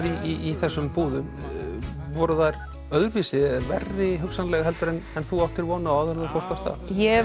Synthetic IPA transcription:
ɾiiːθɛsːʏmpuːðʏm | vɔɾʏðaɾ | œðɾviːsɪvɛ̰rːɪɦʏksanlɛɣɦɛlt̪ʏɾɛnɛnθuawht̪ɪɾvɔːnaawðɛɾðafɔwst̪awst̪ʰa̰jɛ

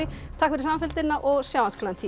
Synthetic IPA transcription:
ɪ | t̪ʰakvɪɾɪsamafɪlt̪ɪnːaʔɔɣsjaːwanskʰalant̪ʰiː

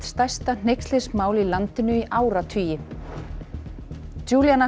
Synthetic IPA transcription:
t̪st̪ajst̪an̥ejkslɪsmaːwlilant̪ɪnʏiʔaːwɾat̪ʰyːjɪ | d͡ʒuːljana

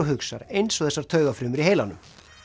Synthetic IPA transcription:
ɔɦʏksaɾejnsɔɣθɛsaɾ̥t̪ʰœːɣafɾʏːmʏɾiɦeːjlanʏm

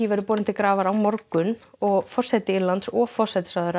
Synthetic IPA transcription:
ivɛɾʏpɔːɾɪmt̪ʰɪkɾaːvaɾawmɔɾkʏnɔɣfɔr̥sɛt̪ɪɪɾlant̪sɔfɔr̥sɛt̪ɪ̥saðʏɾ

